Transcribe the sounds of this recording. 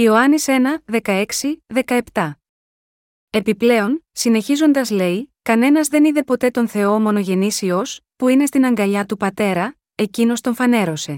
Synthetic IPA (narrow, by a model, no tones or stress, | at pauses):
io̞ɐnise̞nɐðe̞kɐe̞ksiðe̞kɐe̞pt̪ɐ | e̞piple̞o̞nsine̞çizo̞nd̪ɐzle̞ikɐne̞nɐzðe̞niðe̞po̞t̪e̞t̪o̞nθe̞o̞mo̞no̞ʝe̞nisio̞spuine̞st̪inɐŋɡɐʎɐt̪upɐt̪e̞ɾɐ | e̞cino̞st̪o̞ɱfɐne̞ɾo̞se̞